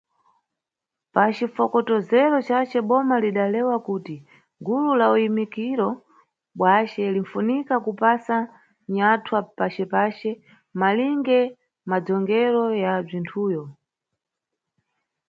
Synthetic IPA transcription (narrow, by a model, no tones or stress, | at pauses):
pat͡ʃifɔkɔtɔzɛɾɔt͡ʃat͡ʃɛɓɔmaliɗalɛwakuːti | ɡululaujimikiɾɔ | ɓwat͡ʃɛliɱ̩funikakupasa | ɲatʰwapat͡ʃɛpaːt͡ʃɛ | maliŋɡɛ | mad͡zɔŋɡɛɾɔjab͡ʐintʰuːjɔ